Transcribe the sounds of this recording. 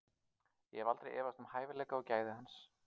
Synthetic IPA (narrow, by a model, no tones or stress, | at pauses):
jɛhɛvalt̪ɾejʔɛːvast̪ʏmhaːjvɪlɛːkaɔcaːjðɪhans